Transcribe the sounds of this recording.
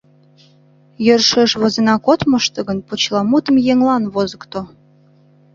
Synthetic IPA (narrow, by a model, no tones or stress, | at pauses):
jørʃeʃβozenɑkot̪məʃt̪ə̆ɣənpot͡ɕlɑmut̪ə̆mjeŋlɑnβozəkt̪o